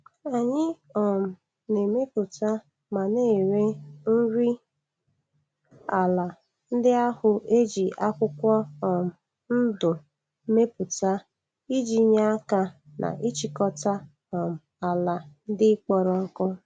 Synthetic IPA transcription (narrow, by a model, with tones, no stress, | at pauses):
a˨ɲɪ˦ɔ˨m̩˨ | ne˨me˦pʊ˨ta˦ | ma˨ne˦˨ɾe˦n̩˦ɾi˦ | a˨la˨ | n̩˦dɪ˦a˦hʊ˨ʔe˦d͡ʒi˨a˦kʷʊ˦kʷɔ˦ɔ˨m̩˨ | n̩˦dʊ˨˦ | me˦pʊ˨ta˦ | i˦d͡ʒi˨ɲa˦a˦ka˨nʔa̰˨ʔi˦t͡ʃi˨kɔ˦ta˦ | ɔ˨m̩˨a˨la˨n̩˦dɪ˦k͡pɔ˨ɾɔ˨ŋ̩˦kɔ˦